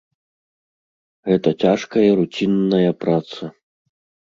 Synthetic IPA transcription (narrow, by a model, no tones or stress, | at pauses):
ɣɛt̪ɐt͡sʲaʂkɐjɐɾut͡sʲinːɐjɐpɾat̪sɐ